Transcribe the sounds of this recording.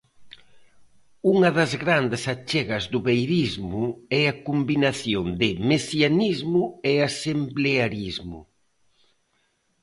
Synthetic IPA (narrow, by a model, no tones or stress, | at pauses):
uŋɐðɐzɣɾand̪ɪsat͡ʃɛɣɐzðʊβejɾizmʊɛakumbinaθjond̪ɪmesjanizmʊɛasembleaɾizmʊ̰